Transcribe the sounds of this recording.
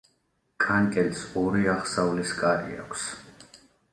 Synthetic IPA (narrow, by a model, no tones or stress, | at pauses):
kʰʼaŋkʼɛlsɔɾiaχsauliskʼaɾḭa̰kʷʰs